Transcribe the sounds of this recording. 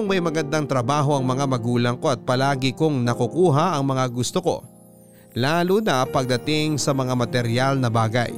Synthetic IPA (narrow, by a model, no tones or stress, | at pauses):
oŋmɐjmɐɡɐnd̪aŋt̪ɾɐbaːɦo̞ʔɐŋmɐŋamɐɡuːlɐŋko̞ʔɐt̪̚pɐlaːɡɪkoŋnɐkʊkuːɦɐʔɐŋmɐŋaɡʊst̪oko̰ | laːlʊnɐpɐɡ̚d̪ɐt̪ɪŋsɐmɐŋamɐt̪ɛɾjalnɐbaːɡɐ̰j